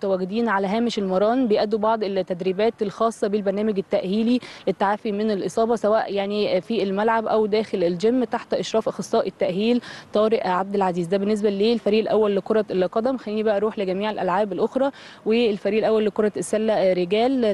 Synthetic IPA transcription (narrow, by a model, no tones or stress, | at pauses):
t̪æwæːɡed̪iːnʕalæɦæːmeʃelmɑɾˤɑːnbejʔæd̪ːubɑʕd̪ˤet̪ːæd̪ɾiːbæːt̪elxɑːsˤːɑbelbæɾˤnæːmeɡet̪ːæʔhiːliʔet̪ːaʕaːfimenelʔesˤɑːbɑsæwæːʔjaʕnifielmælʕabʔæwd̪æːxeleld͡ʒemːt̪aħt̪ʔeʃɾˤɑːfʔɑxesˤːɑːʔet̪ːæʔhiːlt̪ˤɑːɾeʔʕab̚d̪elʕaziːzd̪æbenːes̬bæleːlfæɾiːʔelʔæwːælːekoɾˤɑlqɑd̪æmxænlːiːnibæʔæɾˤuːħleɡæmiːʕelʔælʕaːbelʔoxɾˤɑː | welfæɾiːʔelʔæwːælːekoɾˤɑesːælːæɾeɡæːl